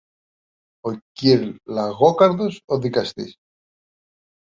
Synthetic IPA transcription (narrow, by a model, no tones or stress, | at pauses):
o̞ciɾlɐɣo̞kɐɾðo̞soðikɐst̪ḭs